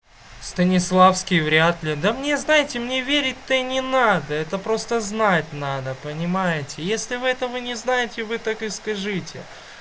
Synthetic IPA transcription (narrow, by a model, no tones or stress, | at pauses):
st̪ənʲɪslˠafskʲɪjvɾʲat̪lʲɪd̪əmnʲe̞znajɪtʲɪmnʲevʲeɾʲɪt̚ʲt̪ənʲɪnad̪əɛt̪əpɾo̞st̪əznatʲnad̪əpənʲɪmajɪtʲɪjesʲlʲɪvɨɛt̪əvɨnʲɪznajɪtʲɪvɨt̪akɨskɐʐɨtʲɪ